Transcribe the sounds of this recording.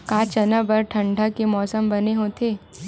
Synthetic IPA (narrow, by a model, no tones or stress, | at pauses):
kaːt͡ʃɐnəbɐɾʈʰɐ̃ɳɖʱakemɔːsəmbɐneɦõt̪ʰeː